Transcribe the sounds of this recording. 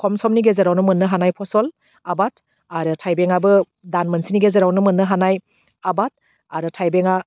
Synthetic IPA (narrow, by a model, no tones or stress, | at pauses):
kʰɔmsɔmniɡezeɾawnɯmɯnːɯɦanajpʰɔsɔl | abat̚ʰ | aɾɯtʰajbeŋabɯ | danmɯnsiniɡezeɾawnɯmɯnːɯɦanaj | abat̚ | aɾɯtʰajbeŋa